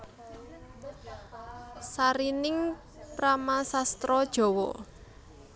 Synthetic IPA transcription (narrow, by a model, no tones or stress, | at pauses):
saɾinɪŋ | pɾamasast̪ɾɔd̥ʒ̥ɔ̤wɔ̰